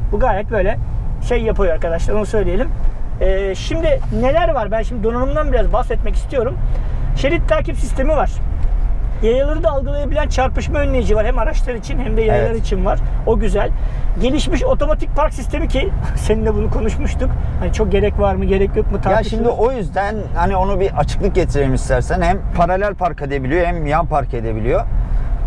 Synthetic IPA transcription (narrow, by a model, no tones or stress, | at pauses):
buɡajɾʲɛt̪̚bø̞jlʲɛʃejːapʰajoɾaɾkad̪aʃlˠaɾonusø̞jlʲije̞lʲimɛːʃimd̪ɪne̞lʲæɾvaɾbænʃimd̪id̪o̞nanumd̪anbiɾazbahsɛt̪̚mɛci̥st̪ijo̞ɾumʃeɾit̪ʰːæɾcifsist̪e̞mivaɾ̥ | jajɯlˠaɾɯd̪aːlˠɡɯlˠajabilʲænt͡ʃʰaɾpɯʃmaønlːʲejid͡ʒivaɾhɛmaɾaʃlˠaɾit͡ʃʰinhæmd̪ɛjajɯlˠaɾɯit͡ʃʰinvaɾ̥o̞ɟyzælʲɟe̞lʲiʃmiʃo̞t̪ʰo̞mat̪ʰic̚pʰaɾksist̪ʰe̞micʰise̞nind̪ɛbunukʰo̞nuʃmuʃt̪ukhanit͡ʃʰo̞k̚ɟe̞ɾɛcvaɾmɯɟe̞ɾɛcjokmɯt̪ʰaɾaʃimd̪iʔo̞jyzd̪ænhanio̞nubiʔat͡ʃʰɯ̥klˠɯk̚ɟet̪ʰiɾeimist̪ʰæɾsænhæmpʰaɾalʲælʲpʰaɾkʰed̪ebilʲijohæmjanpʰaɾkʰed̪e̞bilʲijo̞